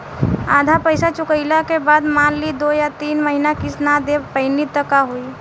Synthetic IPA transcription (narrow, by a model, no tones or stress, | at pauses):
aːd̪ʱapəɪsat͡ʃʊkəɪlakebaːd̪maːlːid̪ojat̪iːnməɦinakisnad̪epəɪnit̪əkaɦui